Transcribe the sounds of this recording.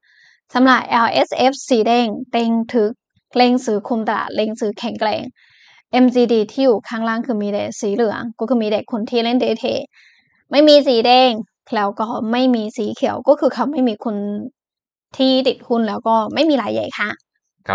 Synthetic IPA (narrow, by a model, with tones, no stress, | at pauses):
sa˨˦mɾa˨˩p̚ʔɛ˧wʔe˦˥sʔe˦˥p̚siː˨˦dɛː˧˩ŋt̪e˧ŋt̪ʰɯ˦˥k̚ | leː˧ŋsɯː˨˦˥kʰu˧mt̪a˧a̰ː˨˩t̪̚le˧ŋsɯː˨˦kʰɛ˨˩˦ŋklɛ̰ː˧ŋ | ʔe˧msiː˧diː˧t̪ʰiː˥˩juː˨˩kʰaː˥˩ŋlaː˥˩ŋkʰɯː˧miː˧deː˧˩siː˩˦lɯ˩˦ɐŋkɔː˥˩kʰɯː˧miː˧deː˨˩kʰːu˧nt̪ʰiː˥˩le˦˥˩ndeː˧t̪ʰḛː˧˩ | ma˥˩jmiː˧siː˨˦dɛː˧ŋ | lɛː˦˥wkɔː˥˩ma˥˩jmiː˧siː˩˦kʰi˨˩˦ə˦wkɔː˥˩kʰɯː˧kʰa˧˩wma˥˩jmiː˧kʰu˧n | t̪ʰiː˥˩t̪i˨˩t̪̚kʰu˥˩nlɛː˨˦˥wkɔː˥˩ma˥˩jmiː˧laː˨˦jːa̰˨˩jkʰa˥˩˦